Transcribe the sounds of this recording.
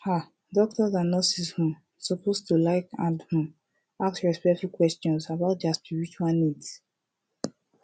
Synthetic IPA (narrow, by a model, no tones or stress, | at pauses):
ha | dɔk̚tɔzãnɔsishũm | sɔpostulaɪkãndhũm | aksɹɛspɛfikːwɛstɔ̃nsabaʊt̚daspiɹit͡ʃualnid